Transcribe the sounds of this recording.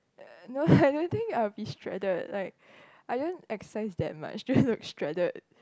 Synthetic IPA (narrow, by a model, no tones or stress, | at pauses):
noaɪdõnt̪ɪ̃ŋkaɪbistʰɹɛ̰dədlaɪk̚ | ʔaɪdõntɛkssaɪsd̪ɛ̰t̚ma̰t͡ʃdonlʊkstɹɛdəd